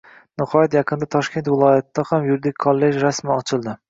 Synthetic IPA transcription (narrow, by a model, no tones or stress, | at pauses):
nɪhɒjɪt̪jɑqʰɨnd̪at̪ʰɒʃkʲe̞nt̪vɪlˠɒjat̪d̪ahamjʊɾd̪ɪkʰːolˠːed͡ʒɾasmɪɒt͡ʃʰɪlˠd̪ɪ